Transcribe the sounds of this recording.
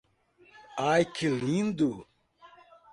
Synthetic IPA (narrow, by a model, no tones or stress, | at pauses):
aːjkʰiliːnd̪u